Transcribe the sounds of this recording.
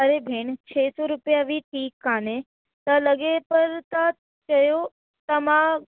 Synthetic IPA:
əɾebʱeɳt͡ʃʰesoɾʊpjaʋiʈʰiːkːaːnẽ | t̪aləɡepəɾt̪a | t͡ʃəjo | t̪əmã

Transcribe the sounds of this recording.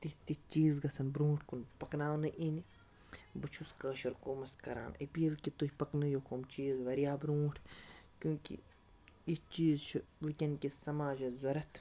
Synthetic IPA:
t̪it̪it͡ʃiːzɡɐsɐnbɾũːʈʰkunpɐknaːnɨʔinʲ | bɨt͡ʃʰuskəːʃɐɾkoːmɐskɐɾa̰ːnɐpiːlkit̪uhʲpɐknɨjokomt͡ʃiːzʋɐɾijaːbɾũːʈʰkjũːkḭ | it͡ʃiːzt͡ʃʰiʋikʲɐnkisɐmaːd͡ʒɐzɐɾɐt̪ʰ

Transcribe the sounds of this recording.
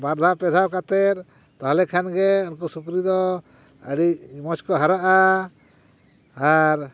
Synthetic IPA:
baɾd̪ʱapɛd̪ʱawkat̪ɛɾ | t̪aɦlɛkʰanɡɛɔnkɔsukɾid̪ɔ | ə̰ɽicmɔt͡ʃkɔɦaɾaʔa | ɾ

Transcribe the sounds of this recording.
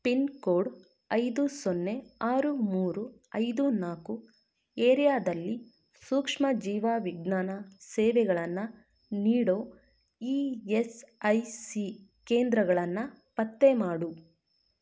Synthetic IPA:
pinkoːɖ | ɐjd̪usonːe̞aːɾumuːɾuɐjd̪unaːku | eːɾijaːd̪ɐlːi | suːkʂmɐd͡ʒiːʋaːʋiɡnaːnɐseːʋɛɡɐɭɐnːɐ | niːɽoː | iːesɐjsikeːnd̪ɾɐɡɐɭɐnːɐ | pɐt̪ːemaːɽu

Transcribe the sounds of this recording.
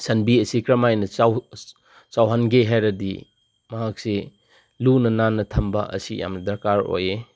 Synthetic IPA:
sɐnbiɐsikɾɐmajnɐaw | t͡ʃawɦanɡeɦajɾɐdḭ | mɐɦak̚se | lunɐnanːɐtʰɐmbɐ̰ʔɐ̰sija̰mnɐdɐɾkaɾo̰je

